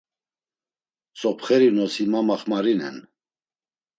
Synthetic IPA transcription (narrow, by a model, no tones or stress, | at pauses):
sɔpχɛɾinɔsimamaχmaɾinɛ̰n